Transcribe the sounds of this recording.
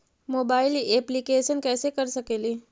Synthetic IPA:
moːbaːɪlieplikeːʃənkɛːsekɐɾsɐkeːliː

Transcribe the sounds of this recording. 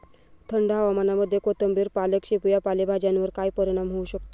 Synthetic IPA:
t̪ʰəɳɖɦaʋamanaməd̪ʱːjekot̪əmbiːɾpaləkɕipujapalebʱad͡ʑjanʋəɾkajpəɾiɽ̃amɦouɕək̚t̪o̥

